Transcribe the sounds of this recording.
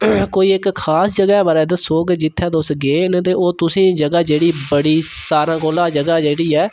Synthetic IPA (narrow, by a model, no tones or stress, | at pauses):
koːiːɪkkʰaːsd͡ʒəɡɛːbaːɾɛːd̪əsoːɡd͡ʒɪt̪ʰːɛ̃ːd̪ʊsɡeːnẽt̪̬eːoːt̪ʊsĩːd͡ʒəɡaːd͡ʒeːɽiːbəɽiːsaːɾãːkoːlãːd͡ʒəɡaːd͡ʒeːɽiːɛː